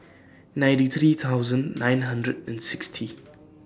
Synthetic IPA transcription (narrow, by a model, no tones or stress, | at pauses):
najntit̪ʰɾit̪ʰawzənːajnɦɐndɾɛdɛ̃nsikstʰi